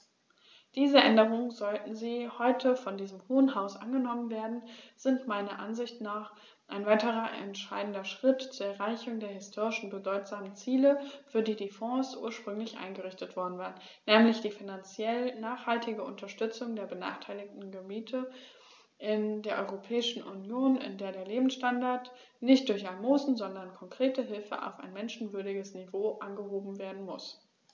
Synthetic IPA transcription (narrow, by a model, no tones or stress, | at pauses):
d̥iːzəʔɛndəʁʊŋənzɔltn̩ziːhɔʏtʰəfɔndiːzəmhoːənɦaʊsʔa̰nɡənɔmənveːɐdn̩z̥ɪntmaɪnɐʔanzɪçtnaːχ | ʔaɪnvaɪtəʁɐʔɛ̰ntʃaɪdn̩dɐʃʁ̥ɪtt͡suːɐɛɐʁaɪçʊŋdeːɐɦɪstʰoːʁɪʃn̩bədɔʏtz̥aːmənt͡siːləfyːɐdiːdiːfɔ̃ːsʔṵːɐʃpʁ̥ʏŋlɪçʔa̰ɪnɡəʁɪçtətv̥ɔɐdn̩vaːʁənnɛːmlɪçd̥iːfinant͡sjɛlnaːχhaltʰɪɡəʔʊ̰ntʰɐʃtʏt͡sʊŋdeːɐbəna̰ːχtʰaɪlɪk̚tn̩ɡəbiːtʰə | ʔɪndeːɐʔɔʏʁopʰɛːɪʃn̩ʔunjoːnɪ̰ndeːɐɾeːɐleːbm̩sʃtandaɐt | nɪçt̚d̥ʊɐçalmoːzn̩zɔndɐnkʰɔŋkʁ̥eːtəɦɪlfə̰ʔa̰ʊfa̰ɪnmɛnʃn̩vʏɐdɪɡəsnivoːʔanɡəɦoːbm̩veːɐdn̩mʊs